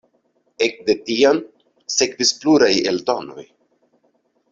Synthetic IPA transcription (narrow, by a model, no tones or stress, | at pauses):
ek̚d̪e̞tian | sekvispluɾajḛlto̰no̞̰j